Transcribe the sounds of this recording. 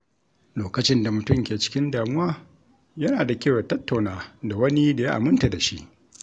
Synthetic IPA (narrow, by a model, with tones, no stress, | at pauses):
loː˨kɐ˦t͡ʃɪ˦nda˨mʊ˨tʊ˦˨mkʲeː˨t͡ʃɪ̥˦kʲɪ˦ndaː˨mʊ˦waː˦ | jɐ˦naː˨da˨kʲeː˦˨wa˨tɐ˦tːa˨naː˦da˨wɐ˦ni˦da˨ja˦ʔa̰˨mʊ˦nta˨da˨ʃḭ˦ʔ